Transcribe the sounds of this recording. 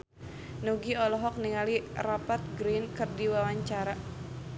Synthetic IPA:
nuɡiɔlɔɦɔk̚niŋalirapat̪̚ɡɾinkɨrdiwawaɲt͡ʃaɾa

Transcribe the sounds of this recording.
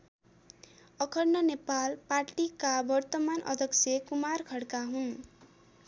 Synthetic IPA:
ʌkʰʌrnʌnepalparʈikabʌrt̪ʌmanʔʌ̰d̪ʱʌksʰjekumarkʰʌɽkaɦun

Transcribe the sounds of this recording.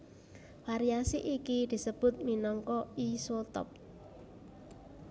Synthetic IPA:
faɾiasiʔikid̪̥i̤səb̥ʊ̤t̪̚minɔŋkɔisolt̪ɔ̰p̚

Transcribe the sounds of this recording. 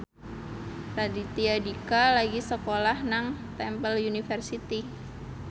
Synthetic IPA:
radit̪iadikalaɡisəkolahnaŋt̪ɛmpəljunifərsit̪i

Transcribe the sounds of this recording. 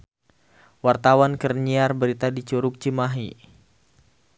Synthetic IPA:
wart̪awankərɲiarbəɾit̪adit͡ʃuɾʊk̚t͡ʃimaɦi

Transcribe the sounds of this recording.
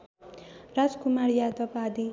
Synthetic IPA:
rad͡zkumarjad̪ʌpad̪i

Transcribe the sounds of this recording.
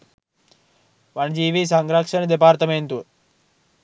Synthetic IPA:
ʋaɳd͡ʒiːʋisãŋɡɾakʃənd̪epaɾt̪əment̪u

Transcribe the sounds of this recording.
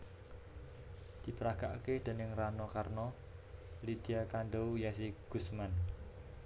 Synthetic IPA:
d̪̥i̤pəɾaka̰ʔkehd̪̥e̤nɪŋranɔkarnɔ | lit̪iakaɳɖoujasiɡ̥usman

